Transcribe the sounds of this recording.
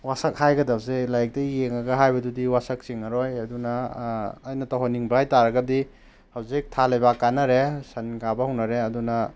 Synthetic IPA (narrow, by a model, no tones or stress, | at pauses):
wasɐk̚hajɡɐdap̚zelajk̚tɐjeŋɐɡɐɦajbɐdudiwasɐk̚siŋɐɾojɐdunɐː | jnɐtawɦaniŋbajtaɾɐɡɐdi | hɐwzik̚tʰalɐjbakanːɐɾesɐnɡabɐhɐwnɐɾeɐdunɐ